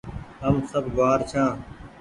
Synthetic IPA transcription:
ɦəmsəbʱɡʊaːɾt͡ʃʰãː

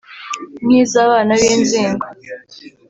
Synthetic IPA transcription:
mŋiːzaːβaːnaβiːnziːŋɡo

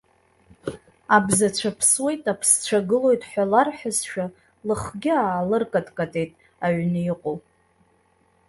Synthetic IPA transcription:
abzat͡ɕʷʰapʰswe̞jtʼapʰst͡ʃʷʰaɡɨlo̞jtʼħʷᶣalarħʷᶣasʃᶣa | lɨχɡʲɪaːlɨrkʼatʼkʼatʼe̞jtʼ | aɥnɨiqʼow

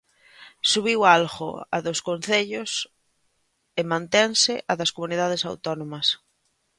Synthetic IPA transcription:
suβiwalɣo̰ɐ̰ðoskon̟θeʎʊs | ɪmãnt̪ɛnsɪʔɐðɐskomuniðað̞ɪsa̰wt̪ɔnomɐs

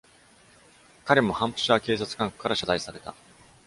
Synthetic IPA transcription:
kaɾe̞mo̞hãmpɯ̥ɕake̞ːs̬at͡sɨ̥kãŋko̥kːaɾaɕazaisaɾe̞t̪a̰

